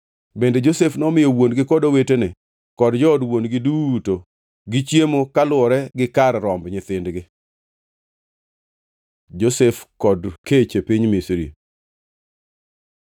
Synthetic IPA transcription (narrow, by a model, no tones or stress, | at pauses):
bended͡ʒosefnɔmɪjowonɡɪkɔdowetenɪ | kɔdd͡ʒɔːdwonɡɪduto | ɡɪt͡ʃjemokalwɔɾɛɡɪkaɾɾɔmbɲɪt̪ɪndɡɪ | d͡ʒosefkɔdket͡ʃepiɲmisɾḭ